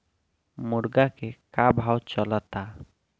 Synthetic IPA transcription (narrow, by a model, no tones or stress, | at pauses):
mʊɾɡakekabʱaːwt͡ʃɔlat̪a